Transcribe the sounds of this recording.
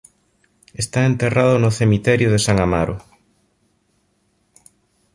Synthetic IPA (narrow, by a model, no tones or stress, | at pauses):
est̪aent̪eraðʊnʊθemit̪ɛɾjʊðesaŋama̰ɾʊ̰